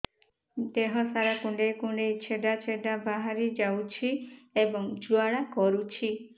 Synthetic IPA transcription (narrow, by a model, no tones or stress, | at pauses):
d̪eɦɔsaɾakuɳɖejkuɳɖejt͡ʃʰeɖat͡ʃʰeɖabaɦaɾid͡ʒawt͡ʃʰiebɔŋd͡ʒuaɭakɔɾut͡ʃʰi